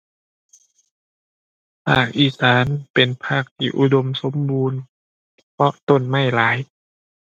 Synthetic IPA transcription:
pʰa̰ː˥˩k̚ʔiː˧˩saː˩˦npe˨npʰaː˥˩k̚t̪ʰḭː˧˩ʔu˧˩do˧mso˨˦mbuː˧n | pʰɔ˧˥ʔt̪o˧˥˩nma˥˩jlaː˨˦j

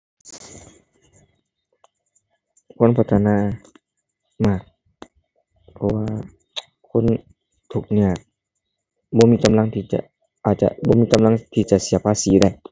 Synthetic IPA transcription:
kʰo˧˥˨npʰa˧˩t̪ʰa˧naː˧˥˨ | maː˧˩k̚ | pʰɔ˧waː˧ | kʰo˧˥˨n | t̪ʰu˨˩k̚ni˧˩ɐk̚ | bɔː˧˦miː˧˥ka˧˦mla˧˨ŋt̪ʰiː˧˩t͡ɕa̰˧˩ | ʔaː˨˩t̪̚t͡ɕa̰˧bɔː˧˦miː˧˥˧ka˧˦mla˧˥ŋt̪ʰiː˧˩t͡ɕa˨˩ʔsi˨˦ɐpʰaː˧˨siː˨˦da˧˩j

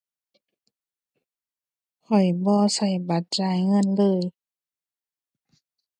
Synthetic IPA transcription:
kʰɔ˨˩jbɔː˧˦sa˧˩jba˧˦t̪̚t͡ɕaː˧˩jŋɤ˧˥˨nlɤː˧˨j

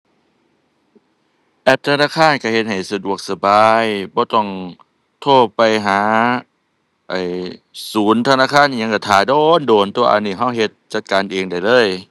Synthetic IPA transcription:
ʔɛ˧˩p̚t̪ʰa˧naː˧˥˨kʰaː˧˥˨nka˧˩he˧t̪̚ha˨˩jsa˧du˨˩ək̚sa˧baː˧jbɔː˧˦t̪ɔ˧˩ŋ | t̪ʰoː˧˥˩pa˧˨jɦaː˨˦ | ʔa˧˩jsuː˨˦nt̪ʰa˧naː˧˥˨kʰaː˧˥˨nː˧˨a˧ŋka˧˩t̪ʰaː˨˩doː˧ndoː˨˩nt̪u˧ɐʔa̰˧nːiː˧˩ɦa˧˥˩wɦe˧˦t̪̚t͡ɕa˧t̪̚kaː˨nʔeː˨˧ŋda˨˩jlɤː˧˥˨j

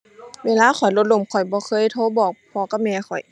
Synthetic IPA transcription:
weː˧˥˨laː˧˥˨xʰɔ˨˩jlo˧˦t̪̚lo˧˩˨mkʰɔ˨˩jbɔː˧˦xʰɤː˧˥˨jt̪ʰo˧˥˨bɔː˨˩k̚pʰɔː˧˦ka˧˩mɛː˧˩xʰɔ˨˩j

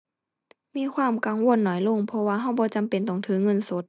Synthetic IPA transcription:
miː˧˥˨kʰwaː˧˥˨mka˨˩ŋwo˧˨ə˨nːɔː˨˩˦jlo˧˨ŋpʰɔ˧waː˧ɦa˧˩wbɔː˧˦t͡ɕa˨mpe˨nt̪o˨˩ŋt̪ʰɯ˧˥ŋɤ˧˥˨nso˦t̪̚

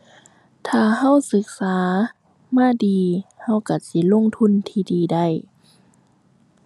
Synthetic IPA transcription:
t̪ʰaː˧˩ɦa˧˥˨wsɯ˧˦k̚saː˨˦ | maː˧˥˨diː˨ha˧˩˨wka˧˩si˧˦lo˧˥˨ŋt̪ʰu˧˥˨nt̪ʰiː˧˩diː˨da˧˩˨j

